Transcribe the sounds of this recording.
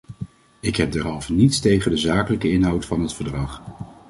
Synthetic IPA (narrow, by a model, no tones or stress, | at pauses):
ɪkɦɛp̚dɛɹɦɑlˠvənitstejχəndəzaːkələkəɪnɦɑwtfɑnɦətfəɹdrɑχ